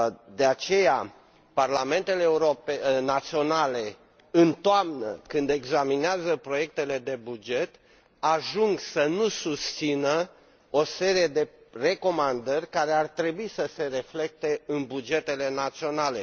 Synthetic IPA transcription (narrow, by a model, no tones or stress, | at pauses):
d̪eat͡ʃe̞ja | parlame̞nt̪e̞leːuɾopenat̪sio̞nale̞ | ɨnt̪oamnə̰kɨnd̪e̞ɡzamineazəpɾo̞je̞k̚t̪e̞le̞d̪e̞bud͡ʒe̞t̪ | aʒuŋɡsənusust̪sinə | o̞se̞ɾie̞d̪e̞re̞ko̞mand̪ərʲkaɾe̞art̪ɾe̞buisəse̞ɾe̞fle̞k̚t̪e̞ɨnbud͡ʒe̞t̪e̞le̞nat̪sio̞nale̞